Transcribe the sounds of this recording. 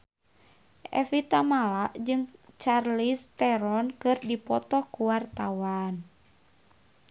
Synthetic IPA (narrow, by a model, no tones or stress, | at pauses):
ʔɛ̰fit̪amalaʔd͡ʒɨŋt͡ʃarlist̪ɛɾɔnkɨrdipɔt̪ɔkuwart̪awan